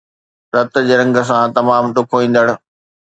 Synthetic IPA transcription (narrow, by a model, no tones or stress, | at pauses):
ɾɐt̪̆d͡ʑeːɾɐ̃ŋɡə̆s̬ãt̪ɐmaːmɗʊkʰoʋĩːn̆d̪əɽ̃ʊ̆